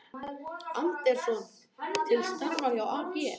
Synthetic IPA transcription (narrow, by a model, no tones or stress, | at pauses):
ant̪ɛɾ̥sɔn | t̪ʰɪlst̪aɾvaɾjawaːcɪɛ